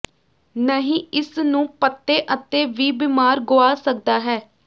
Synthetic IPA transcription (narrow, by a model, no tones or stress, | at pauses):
nəɦĩːɪsnũːpət̪ːeːʔət̪eːʋiːbɪmaːɾɡoːaːsək̚d̪aːɦɛː